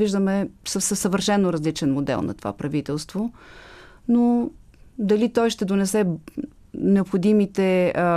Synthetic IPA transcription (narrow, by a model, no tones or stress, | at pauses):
viʒd̪əmɛsəsəsːəvəɾʃɛnːoɾɐzlit͡ʃɛnmod̪ɛ̰lˠnɐ̰t̪o̥va̰pɾɐvit̪ɛlˠst̪vo | no | d̪ɐlit̪ɔjʃt̪ɛd̪onɛsɛ | nɛopxod̪imit̪ɛ